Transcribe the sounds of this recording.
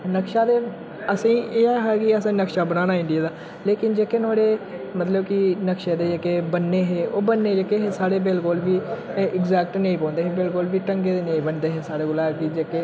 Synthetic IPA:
nəkʃaːd̪eː | əsĩːʔeːaɦɛːkɪəsãːnəkʃaːbənaːnaːɪ̃ɳɖijaːd̪aː | leːkɪnd͡ʒekeːnoːɽeː | mət̪ləbkɪnəkʃeːd̪eːd͡ʒəkeːbənːeːɦeːoːbənːeːd͡ʒəkːeːɦẽːsaːɽeːbɪlkolʋiːɪɡzɛːk̚ʈnəĩːpɔ̃ːnd̪eːɦẽːbɪlkolʋiːʈəŋɡeːd̪eːneĩːbənd̪eːɦẽːsaːɽeːɡʊlaːkid͡ʒeːkeː

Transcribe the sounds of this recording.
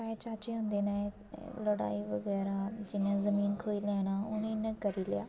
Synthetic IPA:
aːet͡ʃaːt͡ʃiɦõnd̪enaːẽ | lɐɽa̰ːiʋɐɡɛːɾad͡ʒɪnãzɐmiːnkʰoːilɛːɽ̃aʊñinɐkɐɾilɪjaː

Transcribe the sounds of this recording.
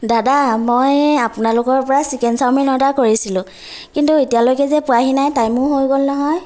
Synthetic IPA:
dadamojapʊnalʊkɔɹpɔɹasikɛnsawminɔdakoɹisilʊ̃ | kintuetijalojkɛzɛpʊaɦinajtajmʊɹɦojɡolnɔɦɔj

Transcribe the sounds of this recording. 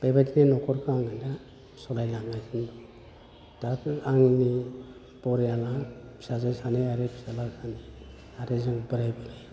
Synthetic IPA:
b̥ajbatinenɔkʰɔɾkʰaaŋanda | sɔlajlaŋɡajsɯndɔ | dakaŋni | pɔɾjalapʰi̥sazasaniaɾepʰi̥salasʰani | aɾezɯŋbəɾajbili

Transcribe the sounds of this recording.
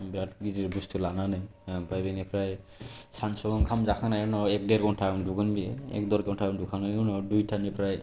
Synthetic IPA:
bɾat̚ɡiziɾbustʰulananapajbenɛpʰɾaj | sansɔɔŋkʰamzakʰanajnɔɛk̚dɛɾkɔntʰanduɡɔnbiɛɛ̰k̚dɔɾkeɔntʰandukʰanaunɔdujtʰanipʰɾaj

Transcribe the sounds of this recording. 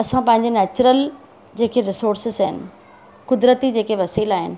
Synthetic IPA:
ɐsãpɐ̃ɦɪ̃ɲ̆d͡ʑeneːt͡ɕʊɾəl | d͡ʑeːkʰeɾɪsoːɾsɪzaːɦɪnɪ̆ | kʊd̪ɾət̪id͡ʑeːkeʋɐsiːlaːɦɪ̰nɪ̆

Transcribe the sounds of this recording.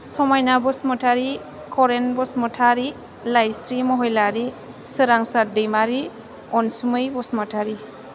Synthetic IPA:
sɔmajnabɔsmɔtʰaɾi | kʰɔɾenbɔsmɔtʰaɾi | lajsɾimɔɦɔjlaɾi | sɯɾaŋsadejmaɾi | ɔnsumɯjbɔsmɔtʰaɾi

